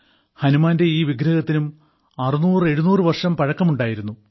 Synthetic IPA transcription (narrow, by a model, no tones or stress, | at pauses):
hɐnumaːnde̞iːʋiɡɾɐɣɐt̪ːinum | ɐrinuːre̞ɻunuːrɨʋɐrʂɐmpɐɻɐkːɐmuɳɖaːjiɾunːu